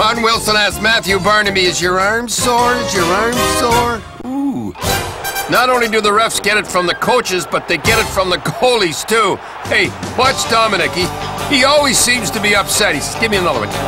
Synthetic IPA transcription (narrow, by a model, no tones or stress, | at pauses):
ɑ̃nwɪlˠsə̃næsk̚mæθjʉbɜ˞nɨmiɨzjə˞ɑɹmsɔɹɨzjə˞ɑɹmsɔɹ | u | nəɾõʊ̃nlidɨðəɹɛfsɡ̥ɛɾɨtfɹʌ̃mðɨkʰoʊt͡ʃɨzbʌt̪̚ðeɪɡɛɾɨtfɹʌ̃mðɨɡoʊlˠiz̥tʰu | eɪb̥ʌtsd̥ɑmɨnɨkiiɔlˠwiz̥sĩmz̥tʰɨbiʌpsɛt̚hiɡ̥ɪvmiɨ̃nʌðˠə˞wɨ̰̃